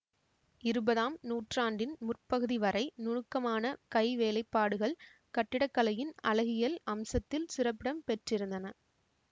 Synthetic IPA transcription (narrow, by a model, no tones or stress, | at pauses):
ɪɾɯbɐðaːmnuːʈraːɳɖɪnmʊrpɐɣɯðiʋɐɾɐɪnʊɻɯkːɐmaːnɐkɐɪʋeːlɐɪpːaːɽɯɣɐɭ | kɐʈːɪɽɐkːɐlɐjɪnɐlɐɣɪjɐlɐmsɐt̪ːɪlsɪrɐpːɪɽɐmpɛʈrɪɾɯnd̪ɐnɐ